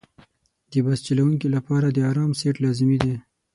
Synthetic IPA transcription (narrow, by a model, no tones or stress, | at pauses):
d̪̥əbast͡ʃalawuŋkilapɑɾad̪əaɾɑmseʈlɑzmid̪e